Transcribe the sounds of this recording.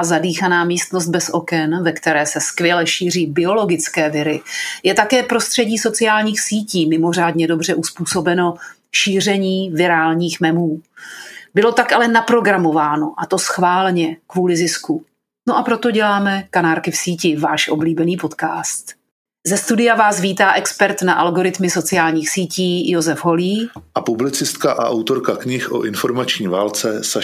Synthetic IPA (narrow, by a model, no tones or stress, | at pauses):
zadiːxanaːmiːst̪no̞st̪̚bɛsʔo̞kɛnvɛkt̪ɛɾɛːsɛskvjɛlɛʃiːr̝iːbɪo̞lo̞ɡɪt͡skɛːvɪɾɪjɛt̪akɛːpɾo̞st̪r̥ɛɟiːso̞t͡sɪaːlɲiːxsiːciːmɪmo̞r̝aːdɲɛdo̞br̝ɛʔuspuːso̞bɛno̞ | ʃiːr̝ɛɲiːvɪɾaːlɲiːxmɛmuː | bɪlo̞t̪akalɛnapɾo̞ɡɾamo̞vaːno̞ʔat̪o̞sxvaːlɛɲɛkvuːlɪzɪsku | noʔapɾo̞t̪o̞ɟɛlaːmɛkanaːɾkɪfsiːcɪvaːʃʔo̞bliːbɛniːpo̞t̪kaːst̪ | zɛst̪udɪjavaːsviːt̪aːʔɛkspɛɾt̪naʔalɡo̞ɾɪt̪mɪso̞t͡sɪaːlɲiːxsiːciːjozɛfɦo̞liːʔapublɪt͡sɪst̪kaʔa̰ʔawt̪o̞ɾkakɲɪxʔo̰ʔɪnfo̞ɾmat͡ʃɲiːvaːlt͡sɛsa